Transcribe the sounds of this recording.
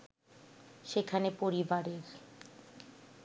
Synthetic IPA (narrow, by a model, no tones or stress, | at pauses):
ʃekʰanepoɾibaɾeɾ